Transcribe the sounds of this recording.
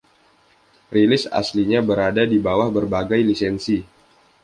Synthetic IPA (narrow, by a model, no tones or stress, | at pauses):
rilɪsa̰sliɲabəɾadadibawahbərbaɡajlisɛnsi